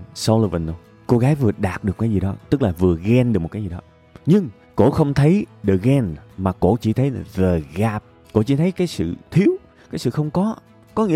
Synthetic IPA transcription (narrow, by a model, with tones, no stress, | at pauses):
so˧wlə˧və˨˩nɗo˧j | ko˧ɣaː˨˦jvɨ˨˩əɗaː˨˩t̚ɗɨ˨˩əkːaː˨˦jzi˨˩ɗɔ˨˦t̪ɨ˦˥k̚laː˨˩vɨ˨˩əɣɛ˧nɗɨ˨˩kmo˨˩t̚kːzi˨˩ɗɔ˨˦ | ɲɨ˧ŋ | ko̰˧˥xə˧wŋ͡mt̪ʰə˨˦jɗə˨˩ɣɛ˧nmaː˨˩ko̰˧˥t͡ɕḭ˧˩t̪ʰə˨˦jvəː˨˩ɣaː˨˩p̚ | ko̰˧˥t͡ɕḭ˧˥t̪ʰə˨˦jkaː˨˦jsɨ̰˧˨t̪ʰi˨˦əw | kaː˨˦jsɨ̰˧˨xə˧wŋ͡mkɔ˨˦ | kɔ˨˦ŋḭ˧˥